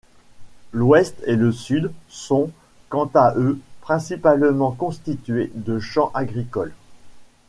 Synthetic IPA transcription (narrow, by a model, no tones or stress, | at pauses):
lwɛst̪eləsyd̪sɔ̃ | kɑ̃t̪aʔøpχɛ̃sipalmɑ̃kɔ̃st̪it̪ɥed̪əʃɑ̃ʔaɡʁikɔl